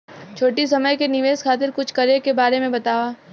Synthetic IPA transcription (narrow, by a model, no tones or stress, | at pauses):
t͡ʃʰoːʈis̬ɐməjkenɪʋeːzkʰaːt̪̬ɪɾkʊt͡ʃʰkɐɾekebaːɾemẽbɐt̪aːʋa